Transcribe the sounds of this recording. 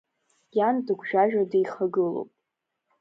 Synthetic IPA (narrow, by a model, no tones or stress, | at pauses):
jandɨɡʷʒᶣaʒᶣadejχaɡɨlo̰wpʼ